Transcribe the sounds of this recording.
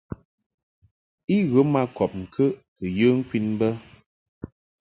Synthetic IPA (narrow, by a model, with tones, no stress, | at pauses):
i˦ɣə˨˦ma˦kɔ˨p̚ŋ̩˨kʰə˦ʔkɨ˨jə˦ŋ̩˦kwi˦nbə˦